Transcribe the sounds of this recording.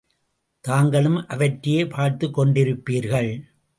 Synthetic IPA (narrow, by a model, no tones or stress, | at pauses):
t̪aːŋɡɐɭɯmʔɐʋɐʈɾɪjeːpʰaːɾt̪ɯkːɔɳɖɪɾɯpːiːɾɣɐɭ